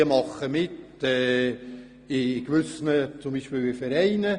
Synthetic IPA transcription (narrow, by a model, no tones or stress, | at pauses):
əmɑχəmɪt | ɛː | ɪkʋʏsnət͡sʊmbiːʃpiːlʋɪfɛɾɛɪnə